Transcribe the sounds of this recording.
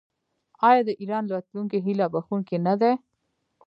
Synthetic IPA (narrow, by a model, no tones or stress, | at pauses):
ɑːjɑd̪əʔiɾɑːnlwɐt̪luŋkeɦilabɐxunkenad̪ɛ